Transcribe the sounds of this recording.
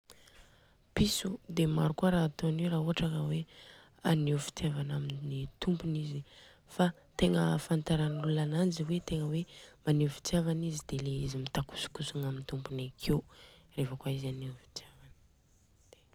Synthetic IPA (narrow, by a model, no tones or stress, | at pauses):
pisud̪emaɾukuaɾaat̪oneɾaːɦoaʈ͡ʂakəwe | anefi̥t̪iavanaminnit̪umpunizi | fa | t̪eŋəfant̪aɾanlulanand͡ʒiwet̪eŋəwemaneufi̥t͡s̪iavanizid̪̥eleizimit̪aku̥su̥kusuŋamint̪umpunakʰewrefəkwaizanefi̥t̪javan | d̪̥e